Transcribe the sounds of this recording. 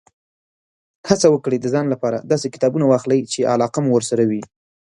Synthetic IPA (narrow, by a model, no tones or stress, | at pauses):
hat͡sawəkɽed̪əzɑnlapɑɾa̰d̪ɑsekɪ̥t̪ɑbunawɑxləjt͡ʃeʔa̰lɑqamuwəɾsaɾawi